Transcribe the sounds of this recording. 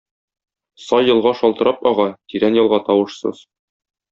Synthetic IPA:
sɒjːɤ̆lˠʁɑʃɒlˠt̪ɤ̆ɾɑpɒʁɑt̪iɾænjɒlˠʁɑt̪ɒwɤ̆ʃsɤ̰z̥

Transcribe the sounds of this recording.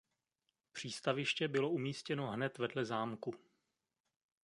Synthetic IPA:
pr̝̥iːst̪avɪʃcɛbɪlo̞umiːscɛno̞ɦnɛt̪vɛdlɛzaːmku

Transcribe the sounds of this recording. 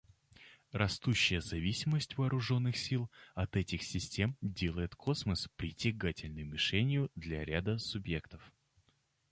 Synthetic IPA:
rɐst̪uɕːɪjəzɐvʲisʲɪməsʲtʲvɐːɾʊʐo̞nːɨxsʲilˠɐt̪ɛtʲɪxsʲɪsʲtʲe̞mdʲelˠəjɪt̪kʰo̞sməspɾʲɪtʲɪɡatʲɪlʲnɨjʊmʲɪʂɛnʲɪjʊd̪lʲɐɾʲad̪əsʊbje̞kt̪əf

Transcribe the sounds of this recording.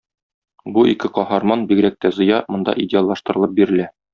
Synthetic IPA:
buʔikɘqɒhɑɾmɑnbiɡ̆ɾæk̚t̪æzɤ̆jɑmŏnd̪ɑ̰ʔidʲɪalˠɑʃt̪ɤ̆ɾɤ̆lˠɤp̚biɾɘ̆læ

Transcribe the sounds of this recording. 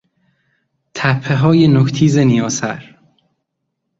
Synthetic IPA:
t̪ʰæpʰːeɦɒːjenokt̪ʰiːzenijɒːsæɾ

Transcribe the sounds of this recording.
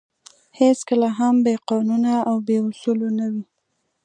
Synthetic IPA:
heskəlaɦambeqɑnunaawbeʊsulonawi

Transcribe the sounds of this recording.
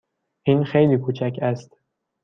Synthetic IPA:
ʔiːnxejliːkʰuːt͡ʃʰæcʰæst̪

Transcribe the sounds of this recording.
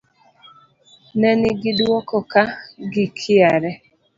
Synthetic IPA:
nɛnɪɡɪdwɔkɔkaɡɪkʰɪaɾɛ

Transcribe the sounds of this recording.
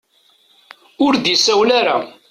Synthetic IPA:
ʊɾd̪isæwlaɾa̰

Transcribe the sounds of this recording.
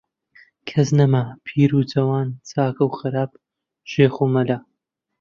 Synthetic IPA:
kʰɐznɐmɐpʰiːɾut͡sʰɐwaːnt͡sʰaːkɐwxɨɾaːb | ʒ̥eːxumɐlɐ

